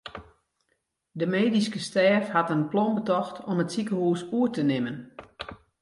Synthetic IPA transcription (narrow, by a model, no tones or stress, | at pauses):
dəmeːdiskəstɛːfhatənplɔmbətɔxtʰɔmətsikəhuːsuətənɪmən